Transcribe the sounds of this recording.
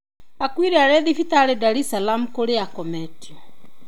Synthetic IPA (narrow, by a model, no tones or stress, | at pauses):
akwiɾeaɾɛðifitaɾedaɾisalamukoɾeakɔmɛtiɔ